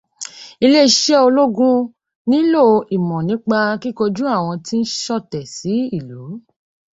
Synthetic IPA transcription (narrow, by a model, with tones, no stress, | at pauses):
i˧le˦i˧ʃɛ˦o˧lo˦ɡũ˦ | nĩ˦lo˦˨˧i˨mɔ̃˨nĩ˨˦k͡pa˧ki˦ko˧d͡ʒũ˦a˦˨w̃ɔ̃˧ti˦n̩˦ʃɔ˦˨tɛ˨si˨˦i˦˨lu˨˦